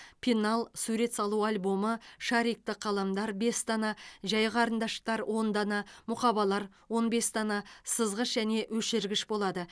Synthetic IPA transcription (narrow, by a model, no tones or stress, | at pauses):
pʲʰinalˠsuɾe̞t̪sɑlˠualʲbo̞məʃɑɾijk̚t̪ɪqʰɑlˠɑmd̪ɑɾbe̞st̪ʰɑnɑʒɑjʁəɑɾənd̪ɑʃə̥qt̪ɑɾwʔo̞nd̪ɑnɑmʊqɑbɑlˠɑɾ | wo̞nbe̞st̪ʰɑnɑsəzʁəʃʒæne̞wɵʃɪɾɡʲɪʃbo̞lˠɑd̪ə